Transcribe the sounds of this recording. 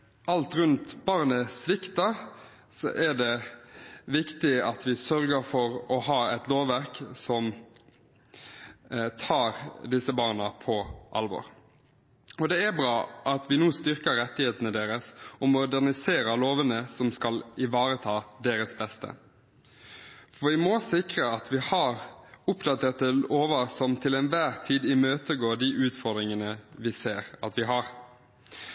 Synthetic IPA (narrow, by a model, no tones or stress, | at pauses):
ɑlt̪ɾʉnt̪bɑʁnəsʋɪkt̪ɑ | sɔ̰ʔæɖɛ | ʋɪkt̪ɪɑt̪ʋɪsœɾɡəɾfɔɾɔhɑːɛt̪loːʋːæʁksɔm | t̪ʰɑːɾd̪ɪsːəbɑːʁnɑpʰɔʔɑ̰lʋɔ̰ɾ | ɔd̪ɛæbɾɑːʔɑt̪ʰʋɪnuːst̪ʏɾkəɾɛt̪ːɪheːt̪ənəd̪eːɾəsɔmʊd̪æʁnɪseːɾəɾloːʋənəsɔmskɑlɪʋɑːɾət̪ʰɑːd̪eːɾəsbɛst̪ə̰ | fɔʋɪmɔsɪkɾəɑt̪ʰʋɪhɑɾʊpd̪ɑt̪ʰeːʁt̪əlʔoːʋəsɔmt̪ʰɪlɛnʋæːʁt̪ʰiːd̪ɪmøːt̪əɡoːɖ̪iʔʉːt̪fɔʁd̪ɾɪŋənəʋɪseːɾɑt̪ʋɪɦɑʁ